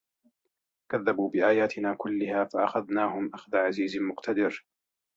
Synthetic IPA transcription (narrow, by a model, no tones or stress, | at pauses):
kaðːabuːbɪʔaːjaːt̪ʰɪnaːkʊlːɪhaːfaʔaxaðnaːhʊmʔaxðaʕaziːzmʊqt̪ad̪ɪɾ